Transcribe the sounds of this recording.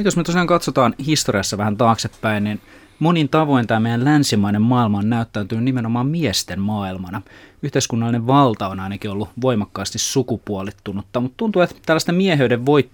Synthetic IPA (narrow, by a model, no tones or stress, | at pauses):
t̪josnyt̪usiɑŋkɑt̪sot̪ɑːnhist̪oriɑsːɑʋæhænt̪ɑːksepːæinnin | monint̪ɑʋo̞int̪æːmeijællænsimæinemmɑːilmɑonnæyt̪ːæːnt̪ynynnimenomɑːmmiɛst̪emmɑːilmɑnɑyht̪eiskunːɑlːineʋʋɑlt̪ɑonɑinɑkiolːuʋoimɑkːɑːst̪issukupuolit̪ːunot̪ːɑmut̪t̪unt̪uet̪t̪ælːæst̪emmiɛɦeydeʋʋoit̪ː